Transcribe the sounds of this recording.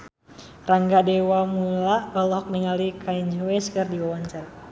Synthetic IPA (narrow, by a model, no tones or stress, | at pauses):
raŋɡadɛwamulaɔlɔk̚niŋalikʰaiɲd͡ʒwɛskərdiwawaɲt͡ʃara